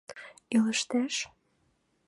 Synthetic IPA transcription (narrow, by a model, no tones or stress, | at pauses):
iləʃt̪æʃ